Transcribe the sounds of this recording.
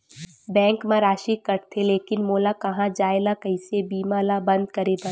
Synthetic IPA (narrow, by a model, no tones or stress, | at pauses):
bɛ̃ːŋkmãɾaːʃikɐɾt̪ʰeleːkɪnmoːlakɐɦãd͡ʒaːelakɐɪsebiːmalabɐ̃nd̪kɐɾebɐ